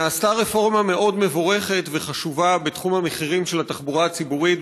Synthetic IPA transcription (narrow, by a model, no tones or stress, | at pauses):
naːstaʁe̞fo̞ʁmame̞ʔo̞dme̞vo̞ʁe̞χe̞t̪ve̞χaʃuvabe̞t̪χumhameχiʁimʃe̞lat̪aχbuʁaat͡sibuʁit